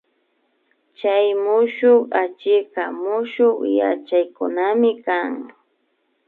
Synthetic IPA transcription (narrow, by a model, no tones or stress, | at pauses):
t͡ʃajmʊʃoχat͡ʃɪqɑmʊʃoχja̰t͡ʃajkʊnamɪkaŋ